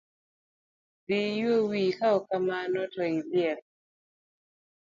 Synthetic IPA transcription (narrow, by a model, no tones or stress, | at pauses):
dijowikaɔkamanɔtɔiljɛl